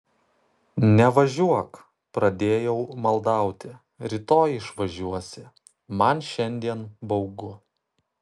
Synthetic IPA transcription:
nʲɛʋɐʒʲuɔk | pɾɐd̪ʲeːjɛʊmɐlˠd̪ɑˑʊt̪ʲɪ | ɾʲɪt̪oːjɪʃʋɐʒʲuɔsʲɪ | mɐnʃʲɛnʲd̪ʲiɛnbɐʊɡʊ

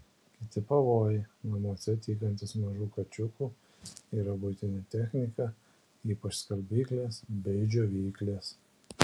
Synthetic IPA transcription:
kʲɪt̪ʲɪpɐʋoːjɪnɐmoːsʲɛt̪ʲiːkɐnʲt̪ʲɪsmɐʒuːkɐt͡ʃʲʊkuː | iːɾɐbʊt̪ʲɪnʲɪt̪ʲɛxʲnʲɪkɐ | iːpɐt͡ʃskɐlʲbʲiːklʲeːsbʲɛɪd͡ʒʲoːʋʲiːklʲeːs

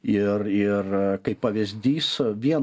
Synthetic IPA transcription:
ɪrɪrkɐɪppːɐʋʲɪzʲd̪ʲiːsʋʲiɛn

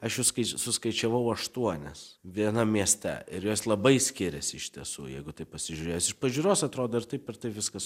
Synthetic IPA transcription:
ɐʃjuʊskɐɪsʊskɐɪt͡ʃʲɛʋɐʊɐʃt̪uɔnʲɛsʋʲiɛnɐmʲiɛsʲt̪ʲɛ̰ɪɾjoːslˠɐbɐɪsʲkʲɪɾʲɛsʲɪɪʃʲt̪ʲiɛsṵːjɛ̰ɪɡʊt̪ɐɪpɐsʲɪʒʲʊɾʲeːjsɪʃpɐʒʲuːɾoːsɐt̪ɾoːd̪oːɪrt̪ɐɪpʲɛrt̪ɐɪʋʲɪskɐs

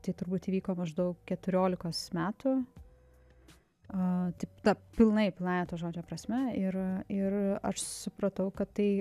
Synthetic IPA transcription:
t̪ɐɪt̪ʊɾbuːt̪iːʋʲiːkoːmɐʒd̪ɐʊkkʲɛt̪ʊɾʲoːlʲɪkoːsmʲæːt̪u | ɐt̪ɐɪpt̪ɐpʲɪlˠnɐɪpʲɪlˠnɑːjt̪ɐːʒoːd͡ʒʲoːpɾɐsʲmʲɛɪɾɪɾɐ̰ʃsʊpɾɐt̪ɐʊkɐt̪t̪ɐɪ

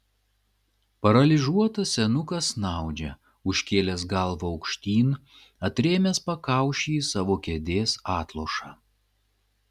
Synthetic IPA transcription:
pɐɾɐlʲɪʒuɔt̪ɐsʲɛnʊkɐsnɑˑʊd͡ʒʲɛ | ʊʃʲkʲeːlʲɛs̬ɡɐlˠʋoɒʊkʃʲt̪ʲiːn | ɐt̪ʲɾʲeːmʲespɐkɑˑʊʃʲiːsɑːʋoːkʲɛd̪ʲeːsɑːt̪lˠoːʃɑː

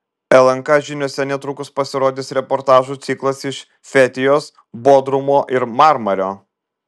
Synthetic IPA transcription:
ɛlˠɐŋkɑʒʲɪnʲoːsʲɛnʲɛt̪ɾʊkʊspɐsʲɪɾoːd̪ʲɪsɾʲɛpɔɾt̪ɑːʒuːt̪sʲiːklˠɐsɪʃ | fʲɛt̪ʲɪjoːs | boːd̪ɾʊmoːʔɪɾmɑɾmɐɾʲoː

